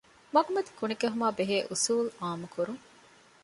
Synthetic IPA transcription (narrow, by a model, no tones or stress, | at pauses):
mɐɡumɐd̪i̥kunikeɦumaːbeɦeːʔusuːlaːmukʰuɾuŋ